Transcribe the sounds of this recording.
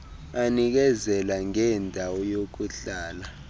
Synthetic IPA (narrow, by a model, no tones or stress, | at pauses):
anik̬ɛzɛlaŋɛndʱawɔjok̬uɬaːla